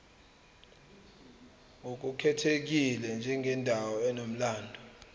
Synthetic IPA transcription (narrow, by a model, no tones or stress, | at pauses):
ŋuk̬ukʰɛtʰek̬ilɛnd͡ʒʱɛŋɡʱɛndʱawɔɛnom̩laːndʱɔ